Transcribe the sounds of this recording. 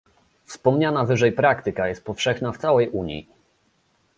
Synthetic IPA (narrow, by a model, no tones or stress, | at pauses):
fspɔmɲanavɘʐɛjpɾakt̪ɘkajɛst̪̚pɔfʂɛxnaft̪sawɛjʔuɲjḭ